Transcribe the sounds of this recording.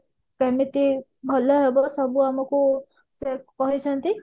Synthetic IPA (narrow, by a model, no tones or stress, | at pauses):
kemit̪i | bʱɔlɔɦebɔsʌbuamɔku | sek̚pɔɦit͡ʃʰʌnt̪i